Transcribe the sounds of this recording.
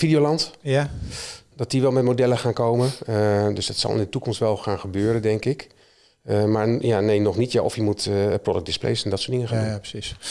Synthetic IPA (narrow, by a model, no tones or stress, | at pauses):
fidijolɑnt | d̥ɑt̚diʋɛlˠmɛtmodɛləχaːnkowmədʏsdɑtsɑ̰lˠɪ̰ndətukɔmstʋɛlˠχaːnχəbøːɾəndɛŋkɪk | maːɹjanejnɔχnitjaʔɔfjəmutprodəɡ̚dɪsplḛjsɛndɑtsʊːdɪŋəχandpsis